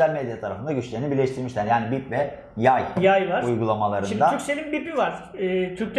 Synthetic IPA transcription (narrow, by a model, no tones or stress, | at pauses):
ælʲmed̪jat̪ʰaɾafɯnd̪aɟyt͡ʃlʲeinibiɾlʲeʃt̪ʰiɾmiʃlʲæɾjaːnibipvɛ | jajjajvaɾujɡulˠamalˠaɾɯnimd̪ayɾkselʲinbipivaɾ̥ɛːt̪ʰyɾct̪